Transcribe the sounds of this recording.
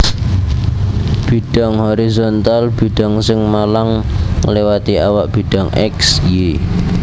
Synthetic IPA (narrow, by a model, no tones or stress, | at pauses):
b̥i̤ɖ̥ɔ̤ŋhoɾizont̪alb̥i̤ɖ̥ɔ̤ŋsɪŋmalaŋːəlewat̪iawaʔb̥i̤ɖ̥ɔ̤ŋʔɛ̰ksje